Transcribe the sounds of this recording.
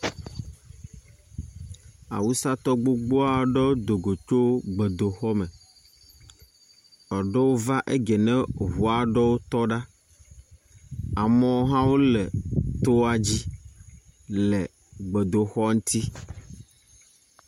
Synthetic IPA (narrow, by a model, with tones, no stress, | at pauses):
a̰˨wu˦sa˦t̪ɔ˦ɡ͡bo˦ɡ͡bo˦a˨ɖɔ˦wo˦d̪o˨ɡo˨t͡ʃo˦ɡ͡be˨d̪o˨xɔ˦mɛ̃˨ | ɔ˨ɖɔ˦wo˦va˦ʔe˦ɡɛ˨nɛ̃˦ɦu˨a˨ɖɔ˦wo˦t̪ɔ˦ɖa˦ | a˨mɔ̃˦ɦã˦wo˦lɛ˨t̪o˦a˦˨d͡ʑi˦ | lɛ˨ | ɡ͡bɛ˨d̪o˨xɔ˦ŋũ˦t̪i˦